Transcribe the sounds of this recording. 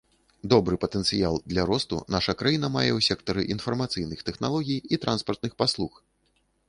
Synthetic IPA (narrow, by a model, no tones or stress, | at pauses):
d̪ɔbɾɨpɐt̪ɛnt̪sɨjalˠd̪lʲaɾɔst̪ṵnaʂɐkɾajinɐmajɛwsʲɛkt̪ɐɾɨʔin̪fɐrmat̪sɨjnɨxt̪ɛxnalˠɔɣʲijit̪ɾʔanspɐrt̪̚nɨxpaslˠux